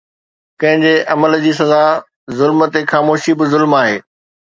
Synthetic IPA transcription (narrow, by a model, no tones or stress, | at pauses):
kɐ̃ɦɪ̃ɲd͡ʑeʔɐməld͡ʑiːsɐza | zʊlmt̪exaːmoːʃibɪzʊlmaːɦeː